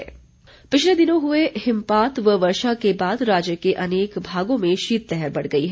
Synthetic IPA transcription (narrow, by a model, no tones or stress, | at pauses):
pɪt͡ʃʰled̪ɪnõɦʊehɪmpaːt̪ʋəʋɐɾʃakebaːd̪ɾaːd͡ʒjəkeʔɐneːkbʱaːɡõmẽʃiːt̪̚lɛɦɛɾbɐɽ̤ɡɐiɦ